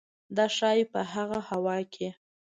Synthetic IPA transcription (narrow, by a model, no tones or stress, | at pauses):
d̪ɑʃɑjpəɦaɣahawɑkʰe